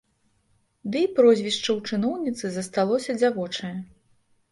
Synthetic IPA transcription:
d̪ɨipɾɔzʲvʲiʂt͡ʂɐwt͡ʂɨnɔwnʲit̪sɨzɐst̪alˠɔsʲɐd͡zʲavɔt͡ʂɐjɐ

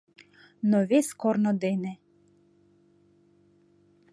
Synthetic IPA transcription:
nɔʋʲɪskɔrnɔd̪ɪnɪ

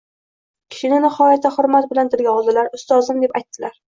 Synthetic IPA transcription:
kʲʰɪ̥ʃɪnɪnɪhɒjat̪ʰːaχʊɾmat̪̚bɪlant̪ʰɪlɡʲaɒlˠd̪ɪlaɾʊst̪ɒzɪmd̪e̞pajt̪ːɪlaɾ

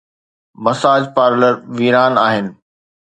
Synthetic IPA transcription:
mɐsaːd͡ʑpaːɾləɾʋiːɾaːnaːɦɪnɪ̆

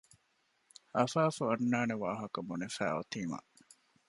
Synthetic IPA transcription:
ʔɐfaːfuɐnːaːneʋaːɦɐkɐbunefæ̰ːo̰t̪iːma̰

